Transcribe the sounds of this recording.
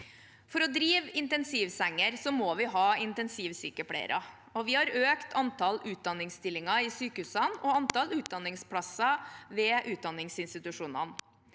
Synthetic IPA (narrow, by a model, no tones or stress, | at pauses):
fɔɾɔd̪ɾiːʋɪnt̪ɛnsiːʋsɛŋːəɾsɔmoːʋɪɦɑːɪnt̪ɛnsiːʋsyːkəpʰɽæ̰ɪ̰ɾʔɑ̰ | ɔʋɪhɑɾøːkt̪ʰɑnt̪ʰɑlʉːt̪̚d̪ɑnːɪŋst̪ɪlːɪŋɑɪsyːkəhʉːsɑnɔɑnt̪ɑlʉːt̪̚d̪ɑnːɪŋspʰɽɑsɑʋɛːʔʉːt̪̚d̪ɑnːɪŋsɪnst̪ɪt̪ʉʂuːnɑ̰n